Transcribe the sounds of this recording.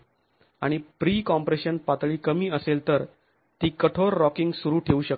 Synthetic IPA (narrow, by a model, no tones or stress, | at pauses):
aɽ̃ipɾiːkɔmpɾeɕənpat̪ɭiːkəmiːəselt̪əɾ | t̪iːkəʈʰoɾːɔkiŋɡsuɾuːʈʰeuːɕək